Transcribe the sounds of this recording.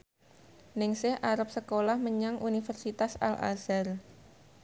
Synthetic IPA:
nɪŋsɪhʔaɾap̚səkolahməɲaŋʔunifərsit̪asa̰la̰zar

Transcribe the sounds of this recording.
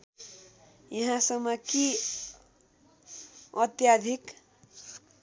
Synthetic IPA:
jʌɦãsʌmːʌki | ʌt̪jad̪ʱik

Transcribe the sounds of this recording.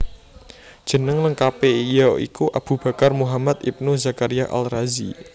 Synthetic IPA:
d̥ʒ̥ə̤nəŋləŋkapejɔḭkuʔab̥ṳb̥ä̤karmuɦamat̪ip̚nuzakaɾijaʔa̰lrazḭ

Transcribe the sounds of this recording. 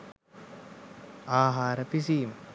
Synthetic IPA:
aːɦaːɾəpis̬iːmə

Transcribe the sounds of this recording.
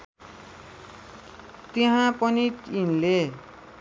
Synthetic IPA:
t̪eɦãpʌniʈinle

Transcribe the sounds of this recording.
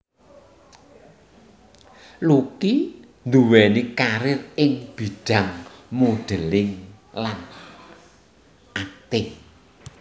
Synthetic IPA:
luki | nd̪uwɛnikaɾɪrɪŋb̥i̤ɖ̥ä̤ŋmuɖ̪̥ə̤lɪŋ | lan | ʔat̪ɪŋ

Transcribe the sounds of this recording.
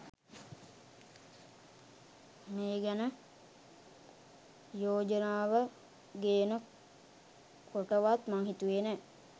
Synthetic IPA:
meːɡænə | joːd͡ʒənaːʋə | ɡeːnə | kʰoʈəʋat̪maŋɦit̪uʋeːnɛ

